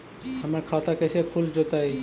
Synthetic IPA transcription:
amaɾkʰat̪akeʃekʰuld͡ʑot̪aj

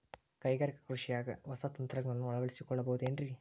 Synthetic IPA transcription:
kɐjɡaːɾikɐ̥kɾuʂijaːɡɐ̰ʋɐsɐt̪ɐnt̪ɾɐɡnɐnːuɐɭɐʋɐɭisikɔɭːɐbɐɦud̪eːnɖɾi

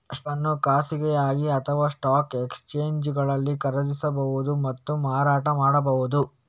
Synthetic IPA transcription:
ɐʂʈɐnːukaːsiɡɛjaːɡiɐt̪ʰɐʋaːsʈaːkekst͡ʃeːɲd͡ʒɡɐɭɐlːikɐɾɐd͡ʒisɐbɐʋud̪umɐt̪ːumaːɾaːʈɐmaːɽɐbɐʋud̪u

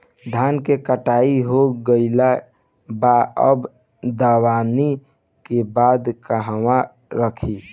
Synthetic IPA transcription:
d̪ʱaːnkekəʈaːiɦoɡəɪla | baəb | d̪əwaːni | kebaːd̪kəɦəwa | ɾəkʰi

